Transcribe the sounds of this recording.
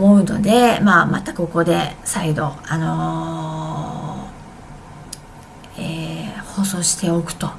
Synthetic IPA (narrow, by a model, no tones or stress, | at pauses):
mo̞ɯ̟no̞̰d̪e̞mamat̪ako̞ko̞d̪e̞said̪o̞ano̞ | eho̞ːso̞ːɕi̥t̪e̞okɯ̟̥t̪o̞